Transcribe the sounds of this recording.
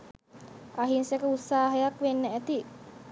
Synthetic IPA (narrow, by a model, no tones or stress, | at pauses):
aɦinsekəut̪saːɦəjakʋenːəæt̪i